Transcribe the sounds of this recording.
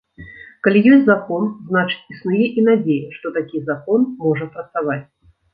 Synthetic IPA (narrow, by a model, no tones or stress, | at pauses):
kalʲijɔsʲtʲzakɔnznat͡ʂɨ̥t͡sʲisnujɛʔinad͡zʲejɛʂt̪ɔt̪akʲizakɔnmɔʐɐpɾɐt̪savat͡sʲ